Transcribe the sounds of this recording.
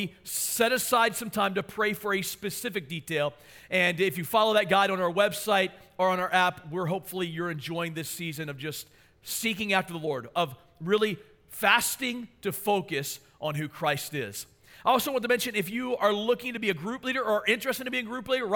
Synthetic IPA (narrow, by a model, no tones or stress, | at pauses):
isɛɾɨsaɪd̥sʌ̃mtʰãɪ̃mtɨpʰɹ̥eɪfə˞ɨspɨsɪfɨk̚d̥itʰeɪlˠ | ɨ̃nɪfjɨfɑlˠoʊðɨt̚ɡ̥aɪɾn̩aʊə˞wɛbsaɪɾə˞ə̃naə˞æpwɪɹɦoʊpfl̩ˠijə˞ɨ̃nd͡ʒɔ̃ɪɪ̃ŋðɪsizɨ̃nʌvd͡ʒʌst̚ | sikɪ̃ŋæftə˞ðəlɔɹɾʌv̥ | ɹɪlˠi | fæstɪ̃ŋtʰɨfoʊkɨs | ʔn̩ɦʉkʰɹ̥aɪstɪz̥ | aɪɔlˠsoʊwɑ̃ntəmɛ̃nʃɨ̃nɨfjɨə˞lʊkɪ̃ŋtɨbiɨɡɹʉpliɾə˞əɪ̃nt͡ʃɹ̥ɛstɪ̃ŋtʰɨbiɨɡɹʉpliɾə˞